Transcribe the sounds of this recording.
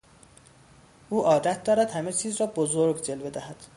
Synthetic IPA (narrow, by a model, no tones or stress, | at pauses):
ʔuːʔɒːd̪æt̪̚ʰd̪ɒːɾæd̪̥hæmet͡ʃʰiːzrɒːbozoɾɡd͡ʒe̞lbe̞d̪æhæd̪̥